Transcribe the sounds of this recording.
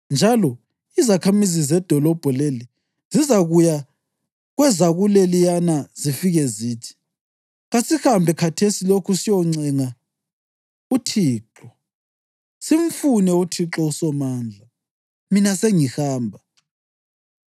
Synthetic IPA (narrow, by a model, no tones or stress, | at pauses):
nd͡ʒʱalɔ | izakʰamizizɛd̥ʱɔlɔb̥ʱɔleli | zizaɣuja | ɣwɛzaɣulelijanazifiɣɛziːtʰi̥ | ɣasihambʱɛkʰatʰesilokʰusijɔŋ͡ǀɛŋa | utʰiːǁɔ | sim̩funɛutʰiǁɔusɔmaːnd͡ɮʱa | minaseŋihaːmbʱa